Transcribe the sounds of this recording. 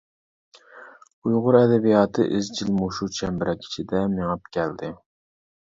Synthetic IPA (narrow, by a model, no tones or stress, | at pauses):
ujʁʊɾɛd̪ɛbijɑːt̪ʰɨ̰ʔɪzd͡ʒilmuʃut͡ʃʰɛmbɪɾʔɛkʲʰi̥t͡ʃʰid̪ɛmeŋɑp̚kʲʰɛld̪ɪ